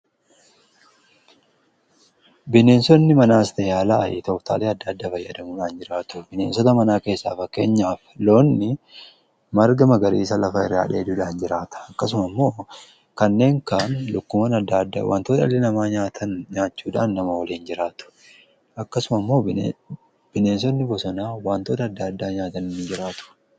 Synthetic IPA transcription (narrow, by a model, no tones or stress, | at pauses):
bɪne̞ːnsɔnːɪmɐnaːst̪ɛjaːlaːʔɪ̰t̪ɔft̪a̰ːleːɐd̪ːɐːd̪ːafɐjːɐd̪ɐmuːᶑaːnd͡ʒɪɾaːt̪ʊ̥bɪne̞ːnsɔt̪ɐmɐnaːke̞ːsːa̰ːfɐkːe̞ːɲːaːflo̞ːnːɪ | mɐɾɡɐmɐɡɐɾiːsɐlɐfɐɪrːa̰ːᶑeːd̪uːᶑaːnd͡ʒɪɾaːt̪ɐ̥ɐkːɐs̬ʊmɐmːo̞ː | kɐnːe̞ːŋkaːnlʊkːʊmɐnɐd̪ːad̪ːa̰wʔa̰ːnt̪oːᶑ̪ɐlːɛnɐmaːɲaːt̪ʰɐnɲaːt͡ʃːuːᶑaːnːɐmɐwɐliːnd͡ʒɪɾaːt̪ʊ̥ | ɐkːɐsʊmɐmːo̞ː | b̥ɪne̞ːns̬ɔnːɪbɔsɔnaːwaːnt̪oːt̪ɐːd̪ːɐːd̪ːaːɲaːt̪ɐnɪnːɪd͡ʒɪɾaːt̪ʊ̥